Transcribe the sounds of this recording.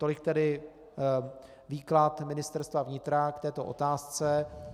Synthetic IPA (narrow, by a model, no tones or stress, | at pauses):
t̪o̞lɪk̚t̪ɛdɪ | viːklat̪mɪnɪst̪ɛɾst̪vavɲɪt̪ɾakt̪ɛːt̪o̞ʔo̰t̪aːst͡sɛ